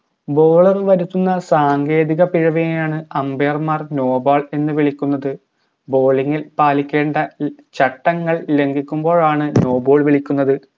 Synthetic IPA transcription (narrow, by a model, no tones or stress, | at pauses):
bo̞ːɭɐrʋɐɾut̪ːunːɐsaːŋɡe̞ːðiɣɐpiɻɐʋijɐjaːɳɨɐmbeɐrmaːrno̞ːbaːɭe̞nːɨʋiɭikʲːunːɐðɨ | bo̞ːliŋːilpaːlikʲːe̞ːɳɖɐt͡ɕɐʈːɐŋːɐɭle̞ŋɡʱikʲːumbo̞ːɻaːɳɨno̞ːbo̞ːɭʋiɭikʲːunːɐðɨ